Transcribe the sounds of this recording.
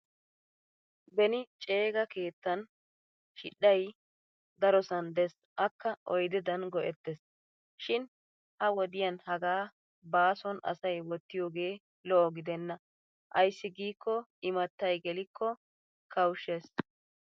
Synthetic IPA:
bɛnɪt͡ʃʼe̞ːɡɐke̞ːt̪ːɐn | ʃɪɗːɐj | d̪ɐɾɔsɐnd̪ɛs | ʔɐkːɐʔɔjd̪ɪd̪ɐnɡɔʔɛt̪ːɛs | ʃɪn | hɐwɔd̪ɪjɐnhɐɡaː | baːsɔnɐ̰sɐjwɔt̪ːɪjoːɡe̞ː | lɔʔɔɡɪd̪ɛnːɐ | ʔɐjsːɪɡiːkʰːɔɪmɐt̪ːɐjɡɛlɪkʰːɔ | kɐwʃːes

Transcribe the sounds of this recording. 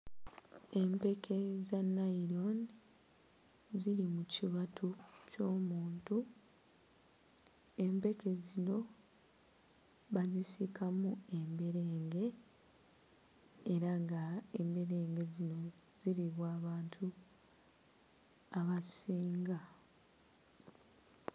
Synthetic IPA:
e̞mpe̞kʰe̞zanaiɾo̞n | ziɾimuciβatʰuco̞ːmuːntu | e̞mpe̞ke̞zino̞ | βazisikʰamue̞mbe̞ɾeːŋɡe̞ | ɾaŋɡaembe̞ɾe̞ːŋɡe̞zino̞ | ziɾiβwaːβaːntʰu | aβasiːŋɡa

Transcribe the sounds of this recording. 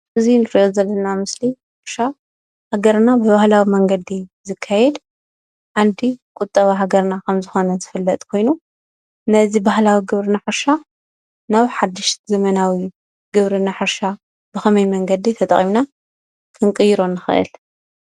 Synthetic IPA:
ʔɨzinɨɾiʔozɐlːɐnamɨsliħɨɾʃa | haɡɐɾnabɨβahlawimɐŋɡɐd̪izɨkʰːajɛd̪ | ʕand̪ikʼʊt̪ʼːɐβaɦaɡɐɾnakʰɐmzɨxo̞nɐzɨfɨlːɐt̪ʼkʰo̞jnu | nɐzibahlawiɡɨβɾɨnaħɨɾʃa | nawħad̪ːɨʃzɐmɐnawi | ɡɨβɾɨnaħɨɾʃa | bɨxɐmɐjmɐŋɡɐd̪it̪ʰɐt̪ʼɐ̰χʼimna | kʰɨŋkʼɨjiɾo̞nːɨxɨʔɨ̰l

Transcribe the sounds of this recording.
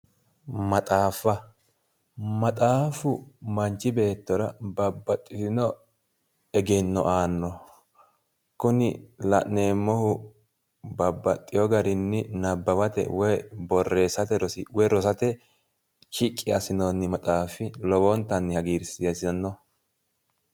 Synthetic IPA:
mɐt̪ʼaːfɐ | mɐt̪ʼaːfʊmɐnt͡ʃːɪbe̞ːt̪ːɔɾɐbɐbːɐt̪ʼːɪt̪ɪnɔ | ɛɡɛnːɔ̰ʔaːnːɔ | kʊnɪlɐ̰ʔneːmːɔhʊ | bɐbːɐt̪ʼːɪjɔɡɐɾɪnːɪnɐbːɐbɐt̪ɛ̰wɔjbɔrːe̞ːsɐt̪ɛɾɔwɔjɾɔsɐt̪ɛ | t͡ʃɪkʼːɪɐsɪnɔnːɪmɐt̪ʼaːfɪlɔbɔnt̪ːɐnːɪhɐɡiːɾsɪɐsɪɐnːɔ

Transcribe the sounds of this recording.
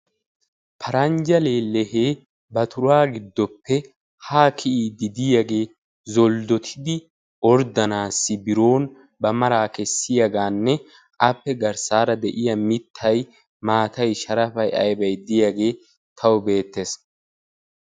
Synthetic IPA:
pʰɐɾɐnd͡ʒɐleːlɛheː | bɐt̪ʰʊɾaːɡɪd̪ːɔpːɛ | haːkʰɪʔiːd̪ɪd̪ɪjɐɡe̞ː | zɔld̪ɔt̪ʰɪd̪ɪ | ʔɔɾd̪ɐnaːsːɪbɪɾo̞ːn | bɐmɐɾaːkɛsːɪjɐɡaːnːɛ | ʔɐpːɛɡɐɾsaːɾɐd̪ɛʔɪjɐmɪt̪ʰːɐj | maːt̪ɐjʃɐɾɐfɐjɐ̰jbɐjd̪ɪjɐɡe̞ː | t̪ʰɐwbe̞ːt̪ːeːs

